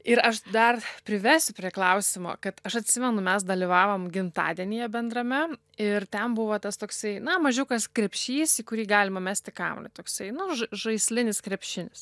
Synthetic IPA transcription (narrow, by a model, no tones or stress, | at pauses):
ɪɾɐʃd̪ɐrpʲɾʲɪʋʲɛːsʲʊpʲɾʲiɛklˠɐʊsʲɪmo̰ːkɐt̪ɐʃɐt̪ʲsʲɪmʲɛnʊmʲɛsd̪ɐlʲiʋɑːʋoːmɡʲɪmt̪ɑ̰ːd̪ʲiɛnʲɪjɛbʲɛnd̪ɾɐmʲɛ | ɪrt̪ʲɛmbʊʋɐːt̪ɐst̪oːksɐɪnɐmɐʒʲʊkɐskɾʲɛpʲʃʲiːsikʊɾʲiːɡɑːlʲɪmɐmʲæːsʲt̪ʲɪkɑ̰ːmlʲɐ̰t̪oːksɐɪnʊʒʒɐɪsʲlʲɪnʲɪskɾʲɛpʲʃʲɪnʲɪs